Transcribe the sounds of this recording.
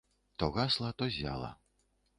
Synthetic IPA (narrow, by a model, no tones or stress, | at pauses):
t̪ɔɣaslˠɐt̪ɔzʲa̰lˠɐ̰